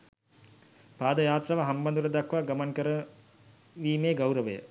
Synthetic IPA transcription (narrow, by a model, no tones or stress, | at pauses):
paːd̪əjaːt̪raʋaɦɐmbɐnd̪uɾəd̪ɐkʋaɡɐmɐnkəɾə | ʋiːmeːɡawɾəʋəjə̰